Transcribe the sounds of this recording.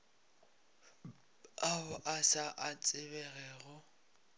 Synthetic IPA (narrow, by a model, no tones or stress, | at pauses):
aʊʔasaʔat͡sʼɪbɛɣɛːɣʊ